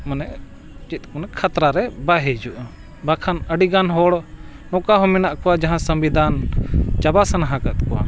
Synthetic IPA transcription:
manɛʔ | t͡ʃit̪̚ˀkɔnɛkʰat̪ɾaɾɛbaɦɛd͡ʒuʔ | bakʰanəɖiɡanɦɔɽnɔkaɦɔminaʔkɔwad͡ʒaɦãsəmbid̪ʱant͡ʃabasanaɦãkat̪̚kɔwa̰

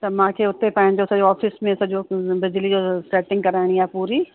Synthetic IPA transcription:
t̪ɐmãːkʰeʊt̪epɐ̃ɦɪ̃ɲ̆d͡ʑosɐd͡ʑoɔːfɪsmẽsɐd͡ʑobɪd͡ʑlid͡ʑosʈɾeːʈɪ̃ŋɡ̚kɐɾaːɪɽ̃ijaːpuːɾi

